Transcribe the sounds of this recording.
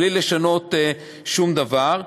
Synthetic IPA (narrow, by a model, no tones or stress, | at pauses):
lileʃano̞t̪ | ʃumd̪avaʁ